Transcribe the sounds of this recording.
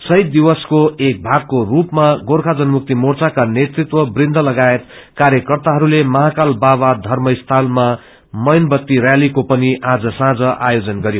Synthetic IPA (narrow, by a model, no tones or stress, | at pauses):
sʌjt̪̚d̪iwʌskoek̚bʱaɡ̚korupmaɡoɾkʰad͡zʌnmuk̚t̪imort͡sakanet̪rit̪wʌbrind̪ʱʌlʌɡaet̪kaɾjʌkʌrt̪aɦʌɾulemʌɦakalbabad̪ʱʌrmʌst̪ʰalma | mʌjnbʌt̪ːirjalikopʌniʔad͡zʌsãd͡zʌʔajod͡zʌnɡʌɾjo